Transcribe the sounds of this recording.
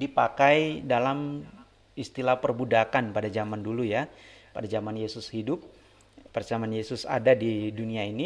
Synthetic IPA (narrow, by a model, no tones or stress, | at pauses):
dipakajdalam | ist̪ilahpərbudakanpadad͡ʒamandulujapadad͡ʒamanjesʊshidʊp̚ː | ərd͡ʒamanjesʊsa̰dadiduniaini